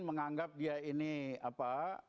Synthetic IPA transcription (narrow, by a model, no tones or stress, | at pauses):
məŋaŋɡap̚diainiapa